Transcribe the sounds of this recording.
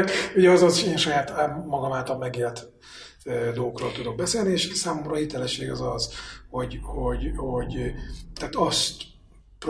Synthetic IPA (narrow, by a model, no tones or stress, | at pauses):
kuɟɛɒzɒzʃeːnʃɒjaːt̪ːmɒɡɒmaːt̪ɒmmɛɡeːlt̪ | ød̪oːokro̰ːlt̪ud̪o̞ɡ̚bɛseːlnieːʃsaːmomɾɒːhit̪ɛlɛʃːeːɡɒzɒzho̞ɟhoɟho̞ɟt̪aːt̪ɒst̪ | pr